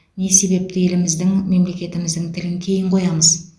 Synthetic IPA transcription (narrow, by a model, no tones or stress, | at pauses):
ne̞se̞be̞p̚t̪ɪe̞lɪmɪzd̪ɪŋme̞mle̞kʲe̞t̪ɪmɪzd̪ɪŋt̪ʰɪlɪŋkʲʰe̞jɪɴqʰo̞jɑməz